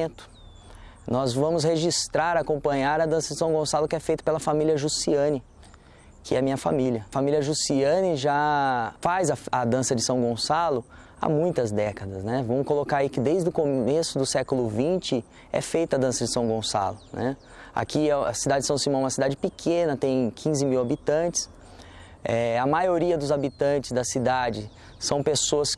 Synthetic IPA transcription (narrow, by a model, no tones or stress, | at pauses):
ẽt̪ʊ̥ | nɔzvɐ̃mʊs̬heʒist̪ɾaɾakõmpɐ̃ɲaɾɐd̪ɐ̃sɐd͡ʒɪsɐ̃w̃ɡõsalʊkɪɛfejt̪ɐ̥pelɐfamilʲiɐʒusiɐ̃nɪ | kɪɛɐmĩɲɐfa̰miljɐfamilʲiɐʒusiɐ̃nɪʒafazɐɐd̪ɐ̃sɐd͡ʒɪsɐ̃w̃ɡõsalʊ | a̰mũj̃t̪ɐzd̪ɛkɐd̪ɐsnɛvɐ̃mʊkolokaɾaikɪd̪ejzd̪ʊkomesʊd̪ʊsɛkʊlʊvĩnt͡ʃɪ | ɛ̰fejt̪ɐad̪ɐ̃sɐd͡ʒɪsɐ̃w̃ɡõsa̰lʊnɛ | a̰kʰiɛɐ̰sid̪ad͡ʒɪd͡ʒɪsɐ̃w̃simɐ̃ɛũmɐsid̪ad͡ʒɪpɪkʰẽnɐt̪ẽj̃kʰĩzɪmiwabit̪ɐ̃t͡ʃɪ̥s | ɛɐmajoɾiɐd̪ʊzabit̪ɐ̃nt͡ʃɪzd̪ɐsid̪ad͡ʒɪ | sɐ̃w̃pesoɐs